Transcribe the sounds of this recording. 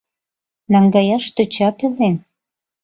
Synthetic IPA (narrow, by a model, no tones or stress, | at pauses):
nɑŋɡɑjɑʃt̪øt͡ɕɑpelen